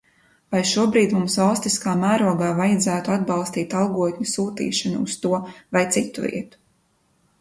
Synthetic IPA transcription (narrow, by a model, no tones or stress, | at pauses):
vajʃuɔbɾiːd̪mumsvalˠst̪iskaːmæːɾuɔɡaːvajad̪zæːt̪uad̪̚bɑlˠst̪iːt̪ɑlˠɡuɔt̪ʲɲusuːt̪ḭːʃanuːst̪uɔvajt̪sit̪ṵvḭɛt̪u̥